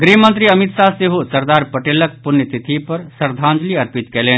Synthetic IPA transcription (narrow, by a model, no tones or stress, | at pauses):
ɡɾimənt̪ɾiəmit̪saseɦosəɾd̪aːɾpəʈeːlək̚punjət̪it̪ʰipɐɾsəɾd̪ʱãːnd͡ʒliɐɾpit̪kɛːleːn